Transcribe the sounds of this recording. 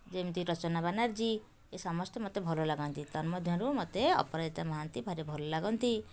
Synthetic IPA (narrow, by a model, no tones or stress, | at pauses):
d͡ʒemt̪iɾɔt͡ʃɔnabanaɾd͡ʒi | esɔmɔst̪emɔt̪ebʱɔlɔlaɡɔnt̪it̪ɔɾmɔd̪ʱjɔ̃ɾumɔt̪eɔ̰pɔɾad͡ʒit̪amɔɦant̪ibʱaɾebʱɔlɔlaɡɔnt̪i